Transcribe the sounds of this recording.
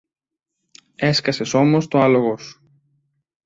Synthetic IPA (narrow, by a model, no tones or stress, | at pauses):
e̞skɐse̞so̞most̪oɐlo̞ɣos